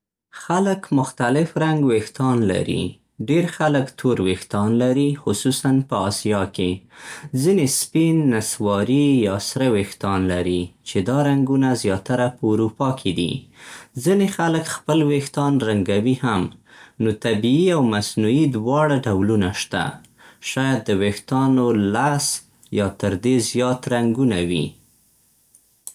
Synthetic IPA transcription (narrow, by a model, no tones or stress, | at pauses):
xaləkmʊxt̪alɪfɾaŋɡwext̪ɑnla̰ɾḭ | ɖeɾxaləkt̪ʰoɾwext̪ɑnlaɾixʊsusanpəɑsijɑkezinespinːaswɑɾijɑsɾəwext̪ɑnlaɾit͡ʃed̪ɑɾaŋɡunazjɑt̪aɾapəuɾupɑkʰed̪ḭzinexaləkxpəlwext̪ɑnɾaŋɡawihamnot̪abiiawmasnuid̪wɑɽaɖawlunaʃt̪a̰ | ʃɑjad̪̚ːəwext̪ɑnolas | jɑt̪əɾd̪ezjɑt̪ɾaŋɡunawḭ